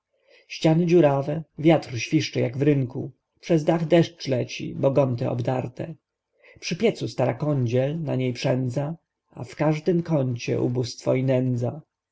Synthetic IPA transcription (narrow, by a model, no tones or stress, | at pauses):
ɕt͡ɕanɘd͡ʑuɾavɛvʲjat̪ɾɕfʲiʂt͡ʂɛjaɡvɾɘŋku | pʂɛzd̪aɣd̪ɛʂt͡ʂlɛt͡ɕḭbɔɡɔnt̪ɛ̰ɔ̰bd̪aɾt̪ɛ̰ | pʂɘpʲjɛt̪sust̪aɾakɔɲd͡ʑɛlna̰ɲejpʂɛnd̪za | a̰fkaʐd̪ɘmkɔɲt͡ɕɛ̰ʔṵbust̪fɔinɛnd̪za